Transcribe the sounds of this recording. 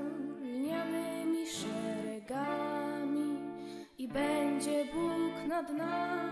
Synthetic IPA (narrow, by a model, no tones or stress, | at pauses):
ɲamɪmʲiʂɛɾɛɡamʲi | ibɛɲd͡ʑɛbujknad̪na